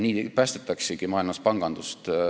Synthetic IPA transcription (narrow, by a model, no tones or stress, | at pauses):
niːpæːst̪et̪ːˑɑksiɡ̥imɑːjlmɑspɑŋɡ̥ɑnd̪ust̪